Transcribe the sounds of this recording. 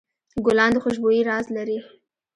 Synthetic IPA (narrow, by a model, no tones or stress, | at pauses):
ɡʊlɑnd̪əxʊʃ̬bojiɾɑzlaɾi